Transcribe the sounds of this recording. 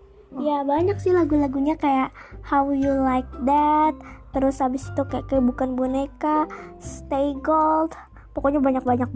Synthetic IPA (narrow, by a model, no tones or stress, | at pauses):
jabaɲak̚sɪlaɡulaɡuɲakajaʔhawjulajk̚d̪ɛt̪̚ːəɾʊshabɪsi̥t̪ukajaʔkajabukanbonekast̪ejɡɔlt̪ | pɔkoɲabaɲak̚baɲak̚